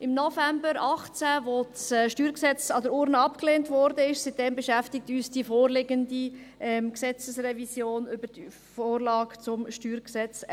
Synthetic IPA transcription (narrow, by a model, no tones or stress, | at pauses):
ʔɪmnɔfɛmbəɾɑχt͡sæʋosʃtyːɾksɛt͡sɑdəɾʊɾnəɑpkleːntvɔɾdəɪʃsit̚d̥ɛmbeʃæftɪk̚tyːsd̥ifoːɾlɪɡəndiɛmksɛt͡səsrɛvisjoːnʏbəd | foːɾlɑːkt͡sʊmʃtyːɾksɛt͡s